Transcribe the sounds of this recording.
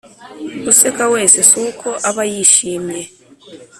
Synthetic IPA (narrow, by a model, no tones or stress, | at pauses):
usɛkawesɛsukʰɔʔaβajiʃiːmɛ